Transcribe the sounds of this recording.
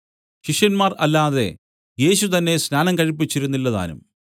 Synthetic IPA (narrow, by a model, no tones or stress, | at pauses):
ɕiʂjɐnmaːrɐlːaːðe̞̰ | je̞ːɕut̪ɐnːe̞snaːnɐmkɐɻipːit͡ɕːiɾunːilːɐða̰ːnṵm